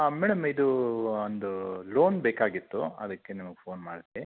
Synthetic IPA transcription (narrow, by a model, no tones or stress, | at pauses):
amɛːɽɐmid̪uond̪ulo̞ːnbeːkaːɡit̪ːuɐ̰d̪ɐkːenimɐɡepʰo̞ːnmaːɖt̪ːe